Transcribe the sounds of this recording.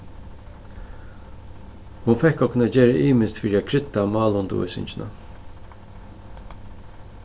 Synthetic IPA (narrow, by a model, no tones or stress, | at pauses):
hʊnfɛhkɔknad͡ʒeːɾəʔiːmɪst̪fiːɾɪakʰɾɪt̪ːamɑːlʊnd̪̰ʊ̰sɪ̰ɲt͡ʃɪnʔa̰